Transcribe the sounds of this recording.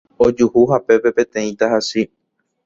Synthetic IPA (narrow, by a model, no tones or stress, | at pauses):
od͡ʒuhuɦape̞pe̞pẽ̞t̪ẽ̞ĩt̪aɦasi